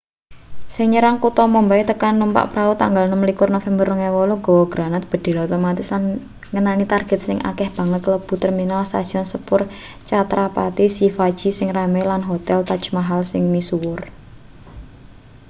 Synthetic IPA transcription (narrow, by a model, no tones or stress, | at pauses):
sɪŋɲəɾaŋkut̪ɔmɔmbait̪əkanːumpa̰ʔpɾaut̪a̰ŋɡalnəməlikʊrnofɛmbərːəŋewɔloɡowɔɡ̥ɾanat̪̚b̥ə̤d̪̥e̤lot̪omat̪ɪsan | ŋənanit̪arɡ̥ɛ̤t̪̚sɪŋʔa̰kɛhb̥a̤ŋət̪ləb̥ṳt̪ərminalst̪a̰sɔnsəpʊr | t͡ʃat̪ɾapa̰t̪isifad̥ʒ̥i̤sɪŋramelanɦot̪ɛlt̪ḁt͡ʃmaɦalsɪŋmisuwʊr